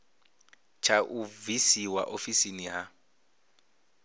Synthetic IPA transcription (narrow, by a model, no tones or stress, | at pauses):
t͡ʃʰaʔuvisiwa̰ʔofisiniɦa